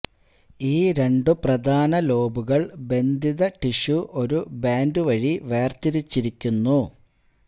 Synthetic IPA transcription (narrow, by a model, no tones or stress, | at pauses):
iːɾe̞ɳɖɨprɐd̪ʱaːnɐlo̞ːbuɣɐɭbe̞nd̪ʱiðɐʈiʂuʔo̞ɾubaːndɨʋɐɻiʋe̞ːrt̪iɾit͡ɕːiɾikʲːunːu